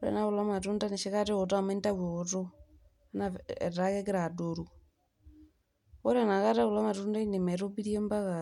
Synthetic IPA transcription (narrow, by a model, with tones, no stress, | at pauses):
ɔ˦ɾɛ̰˨na˦o˨la˦ma˨tu˦nda˦ni˨ʃe˦ka˦te˦ɔ˨ta˦a˨mɛ˦n˦ta˦wwe˨o˨to˦ | na˨ɛ̰˨ta˦kɛ˦kɛ˦ɾa˨do˨ɾu˨ | ɔ˦ɾɛ˨na˨ɣa˦ta˦o˨la˦ma˨tu˦nda˦i˦ne˨mɛ˨ɾo˦bi˦ɾi˦ɛ˦mba˦ɣa˨